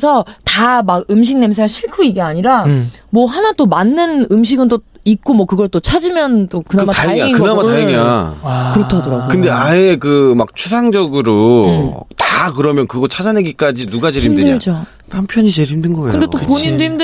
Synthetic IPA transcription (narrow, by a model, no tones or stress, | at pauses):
sʰʌtamaɡɯmɕ̬ʰiŋ̚ne̞ms̬ʰaaɕʰiɭkʰuiɡeaɲiɾamwʌɦanat͈omanːɯnɯmɕ̬ʰiɡɯntoik̚k͈omwʌkɯɡʌɭt͈ot͡ɕʰad͡ʑimjʌnt͈okɯnamaaŋeɯnamatajeŋakɯɾʌtʰadoɾaɡokɯnde̞aekɯmak̚t͡ɕʰusʰaŋd͡ʑʌɡɯɾo | takɯɾʌmjʌnkɯɡʌt͡ɕʰad͡ʑaneɡik͈ad͡ʑinuɡat͡ɕe̞ɾimdeat͡ɕo | pampʰjʌɲit͡ɕe̞ɾimdɯnɡʌekɯndet͈opoɲidemd